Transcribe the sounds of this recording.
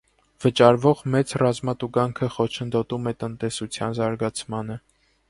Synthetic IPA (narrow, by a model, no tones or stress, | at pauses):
vət͡ʃɑɾvɔʁmɛt͡srɑzmɑt̪uɡɑŋkʰəχɔt͡ʃʰənd̪ɔt̪umɛt̪ənt̪ɛsut͡sʰjɑ̰nzɑɾɡɑt͡sʰmɑnə